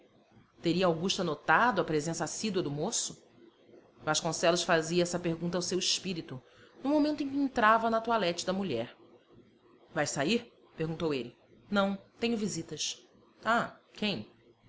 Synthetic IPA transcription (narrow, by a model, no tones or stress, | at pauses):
t̪eɾiɐawɡuʃt̪ɐnot̪ad̪ʊɐpɾezẽsasid̪wɐd̪ʊmosʊ | vaʃkõsɛlʊsfaziɐɛsɐpehɡũnt̪̬awsewiʃpiɾit̪ʊ | nʊmomẽnt̪ʊẽkʲɪẽnt̪ɾavɐnɐt̪ualɛt͡ʃɪd̪ɐmuʎɛɾ | vajsaiɾ | pehɡũnt̪owelɪ | nɐ̃w̃t̪ẽɲʊvizit̪ɐs | akʰẽj̃